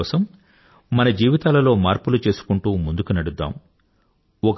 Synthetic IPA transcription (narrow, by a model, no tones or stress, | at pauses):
ɔːsɐmː | ɐnɐd͡ʒiːʋit̪aːlɐlo̞ːmaːɾpulut͡ʃe̞ːsu̥kuɳʈuːmund̪ukunɐɽud̪ːa̰ːm | ɔk